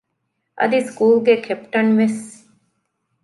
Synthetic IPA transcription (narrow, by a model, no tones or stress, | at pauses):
ʔɐ̰d̪iskuːlɡekʰepʈɐnʋes